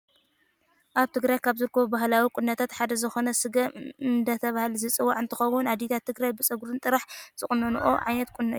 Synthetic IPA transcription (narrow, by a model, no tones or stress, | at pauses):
ʔaβt̪ʰɨɡɾajkʰaβzɨɾkʰɐbubahlawikʼʊnːɐt̪ʰat̪ħad̪ɐzɨxo̞nɐsɨɡɐmɨnd̪ɐt̪ʰɐβahlzɨt͡sʼɨwːaʕɨnt̪ʰɨxɐwʊnad̪it̪ʰat̪ʰːɨɡɾajbɨt͡sʼɐɡuɾɨnt̪ʼɨɾaħz̥ɨχʼnːɐnuʔo̰ʕa̰jnɐt̪kʼunːɐj